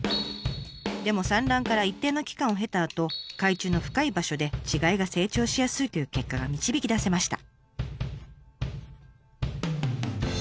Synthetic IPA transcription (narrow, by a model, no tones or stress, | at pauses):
d̪e̞mo̞sãnɾãŋkaɾait̪ːe̞ːno̞kʲi̥kãɰ̃o̞ɦe̞t̪aːt̪o̞kait͡ɕɨːno̞ɸɯ̟̥kaibaɕo̞d̪e̞t͡ɕiɡaiɡase̞ːt͡ɕo̞ːɕijasɨit̪o̞jɯ̟ːke̞kːaɡamʲit͡ɕibʲikʲid̪ase̞maɕi̥t̪a̰